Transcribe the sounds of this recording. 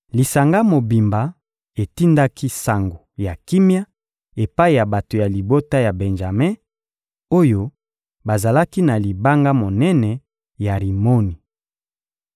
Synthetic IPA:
li˨sa˨ŋɡa˦mo˨bi˨mba˨ | e˨ti˦nda˦kʰi˦sa˨ŋɡo˨ja˨ki˦mja˦ | e˨pa˦i˨ja˨ba˨to˨ja˨li˨bo˦ta˦ja˨bɛ˨nʒa˨me˦ | o˦jo˦ | ba˨za˨la˦ki˦na˨li˨ba˦ŋɡa˦mo˨nɛ˦nɛ˨ | ja˨ʁi˨mo˦ni˨

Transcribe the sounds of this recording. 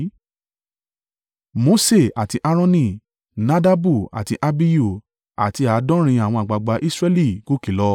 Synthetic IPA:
mo˨˦se˦˨a˨ti˧ʔa˦ɾ̃ɔ̃˦nĩ˦˨ | nã˦da˦bu˦˨a̰˨ti˧˦ʔa˧bi˦jo˦˨ | a̰˨ti˧˦a˨˦dɔ̃˦ɾ̃ĩ˧a˨w̃ɔ̃˧a˨ɡ͡ba˨ɡ͡ba˧˦ʔi˦sɾɛ˦li˦˨ɡo˦ki˦˨lɔ˧

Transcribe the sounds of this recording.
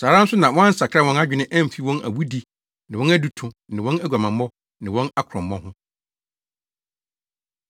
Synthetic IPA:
saː˨ɾã˦n̩˦sʊ˦nã˨wɔ̃˦ã˦sa˨kʰa˦wɔ̃˦na˦d͡ʑᶣɪ˦nɪ̃˦ʔæ̃˦m̩˨fi˦wɔ̃˦næ̰˨wu˦di˦ | nɪ̃˨wɔ̃˦næ˦du˨tʰʊ̃˨nɪ̃˨wɔ̃˦næ˦ɡʷa˨mã˨m˦ɔ̃˦ | nɪ̃˨wɔ̃˦na˦kʰɾɔ̃˨mː˦ɔ̃˦ɦʊ̃˦

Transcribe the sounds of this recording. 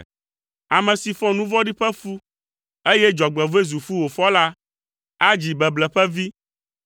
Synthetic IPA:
a˨mɛ̃˨si˨fɔ̃˦nũ˦vɔ˦ɖi˦ɸɛ˦fu˦ | e˦jɛ˦d͡ʒɔ˨ɡ͡bɛ˨vo˦e˦zu˨fu˦wo˨fɔ˦la˦ | a˦d͡ʑi˨bɛ˨blɛ˨ɸɛ˦vi˦

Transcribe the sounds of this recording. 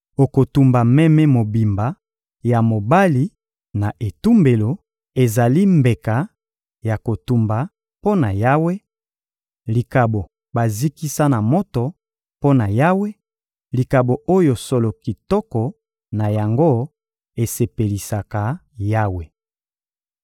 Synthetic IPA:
o˨ko˨tu˨mba˨mɛ˦mɛ˦mo˨bi˨mba˨ | ja˨mo˨ba˦li˦ | na˨ʔe˨tu˦mbe˨lo˨ | e˨za˨li˦mbe˨ka˨ | ja˨ko˨tu˨mba˨ | po˦na˨ja˦we˦ | li˨ka˨bo˨ | ba˨zi˦ki˦sa˦na˨mo˦to˨ | po˦na˨ja˦we˦ | li˨ka˨bo˨ʔo˦jo˨so˨lo˨ki˨tɔ˦kɔ˨ | na˨ja˨ŋɡo˦ | e˨se˨pe˨li˨sa˨ka˨ | ja˦we˨

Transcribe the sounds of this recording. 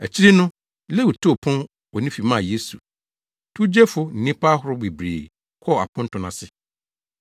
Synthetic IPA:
æ˨t͡ɕʰi˦ɾi˦nʊ̃˦ | le˦wu˨tʰo˦˨pʰʊ̃˦n | wɔ˨nĩ˦fi˨mã˦˨je˦su˨ | tʰu˦d͡ʑe˦fʊ˦n̩˨nĩ˦pa˦ɦʊ˨ɾʊ˦be˨bɾḛː˨ | kʰɔ˦˨a̰˨pʰʊ̃˦n˦tʰʊ̃˨nã˨sɪ˦˨

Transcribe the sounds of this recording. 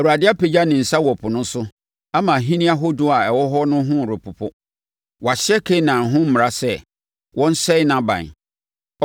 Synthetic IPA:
ɛ˨wu˨a˨dɪ˦a˦pe˨d͡ʑa˦nɪ̃˨n̩˨sa˦wɔ˨pʰʊ˨nʊ̃˦sʊ˦ | a˦mã˨ɦĩ˦nĩ˦a˦ɦo˦dʊ˦a˨ɛ˨wɔ˦ɦɔ˦nʊ̃˦ɦʊ̃˦˨ɾʊ˨pʰʊ˨pʰʊ˦ | wɔ˨a˨ɕɪ˦ɛ˦kʰe˦nã˨ɦʊ̃˦m̩˦mɪ̃˨ɾa˦sɛ˦ | wʔɔ̃˦n̩˦sɛ˦nã˨bã̰˨n˨

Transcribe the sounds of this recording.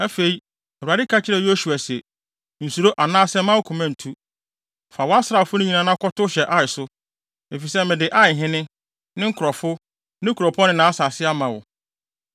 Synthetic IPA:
æ˦fe˨i˦ | ɛ˨a˨dɪ˦kʰa˦t͡ɕʰɪ˦ɾɛ˨jo˦su˨a˨sɛ˨ | n̩˨su˨ɾo˦ʔa˨nã˦sɛ˦mã˦wʊ˦kʰũ˨mã˦n̩˨tʰu˦ | fa˨wɔ˦a˦sɾa˨fʊ˦nʊ̃˦ɲĩ˨nã˨nã˦kʰɔ˦tʊ˦ɕɛ˨ʔa˦ɪ˨sʊ˦ | e˨fi˨sɛ˦mɪ̃˨dɪ˨ʔa˦ɪ˨ɦɪ̃˦nɪ̃˦ | nɪ̃˦ŋ̩˦kʰʊ˨ɾɔ˨fʊ˦ | nɪ̃˦kʰu˨ɾɔ˨pʰɔ˦nɪ̃˦nã˨˦a˦sa˨sɪ˦a˦mã˨wʊ̰˨

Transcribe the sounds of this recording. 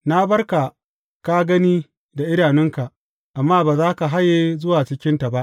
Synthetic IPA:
na˦bɐ˦rka˨ | ka˦ɡɐ˦niː˦ | da˨ʔɪ˦daː˨nɪ˦ŋka˨ | ʔa˨mːaː˦baː˨zaː˦ka˨ɦa˦jːe˦zʊ˦waː˨t͡ʃɪ˦kʲɪ˦nta˨ba˦ʔ

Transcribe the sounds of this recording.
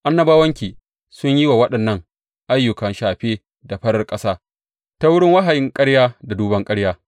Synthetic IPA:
ʔa˦nːɐ˦baː˦wɐ˦ŋkʲiː˨ | sʊ˦ɲji˦waː˨wɐ˦ɗɐ˨nːɐ˦ŋ | ʔa˦jːʊ˨kɐ˨nʃaː˨ɸeː˦ | da˨ɸɐ˦ɽɐ˨rkʼɐ˦saː˦ | ta˦wʊ˦ɽɪ˦ŋwa˦ɦa˨jɪ˦ŋkʼɐ˦ɽjaː˦da˨duː˦bɐ˦ŋkʼɐ˦ɽjaː˦

